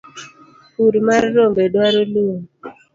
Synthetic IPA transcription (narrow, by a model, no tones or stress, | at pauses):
uɾmaɾːombedwaɾoluŋ